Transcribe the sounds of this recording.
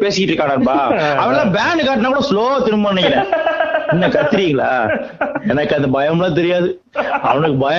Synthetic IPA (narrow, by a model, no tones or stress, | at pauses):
peːsɪkːɪʈːɾɯkːaːnɐːɾɯmbaːɐʋɐɳɪlːãːbaːnɖɯkaːʈ̬ːnaːkːuɽɐsloːt̪ɪɾɯmbaːnːɪŋɡɐlɛ̃ːɪnːɐkɐt̪ːɪɾɪjɪŋɡɐɭa̰ː | ɛnɐkːɯɐnd̪ɐbɐjɐmlãːt̪̬ɛɾɪjaːðɯ | ɐ̰ʋɐnɯkːɯbɐjɐ